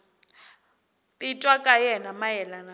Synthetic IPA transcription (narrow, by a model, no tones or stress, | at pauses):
tʼitʼwakʼajɛnamajɛlana